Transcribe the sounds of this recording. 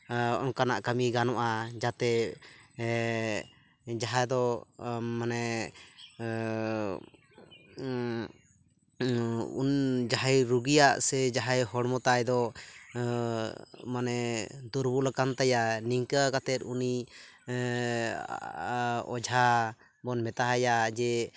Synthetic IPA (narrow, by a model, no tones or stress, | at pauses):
ɔ̰nkanaʔkamiɡanɔʔad͡ʒat̪ɛ | d͡ʒaɦad̪ɔ | manɛ | d͡ʒaɦajɾuɡijaʔsɛd͡ʒaɦajɦɔɽmɔt̪ajd̪ɔ | manɛd̪uɾbulakant̪ajaniŋkakat̪ɛt̪uni | ɔ̰d͡ʒʱa | bɔnmɛt̪aɦajad͡ʒɛ